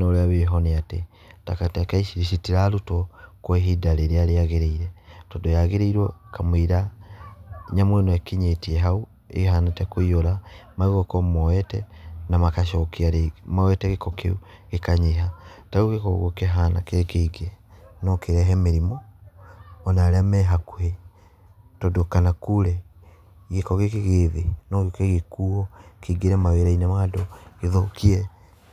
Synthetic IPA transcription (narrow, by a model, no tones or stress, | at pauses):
noɾeaβeɦɔneate | takatekaiʃiɾiʃitiɾaɾutɔkweɦidaɾeɾeaɾeaɣeɾeiɾɛtodojaɣeɾeiɾwɔkamwiɾa | ɲamoenoekiɲetieɦau | ḛɦanatɛkoioɾamaiɣɔkɔmɔwɛtɛnamakaʃɔkiaɾemawɛtɛɣekokḛuɣekaɲeɦatauɣekɔɣokeɦana̰kekeiɡenɔkeɾɛɦɛmeɾimɔː | naɾeamɛɦakwɛ | tɔdokanakuɾɛ | ɣekɔɣekeɣeːðenɔɣekeɣekuɔkeiɡeɾɛmaweɾainɛmaːdoeðokiɛ